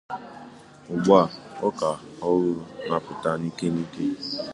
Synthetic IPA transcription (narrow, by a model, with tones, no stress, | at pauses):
ʊ˨ɡ͡ba˦˨ɔ˦ka˨ɔ˦ɾʊ˦na˦pʊ˨ta˨ni˦ke˦ni˦ke˦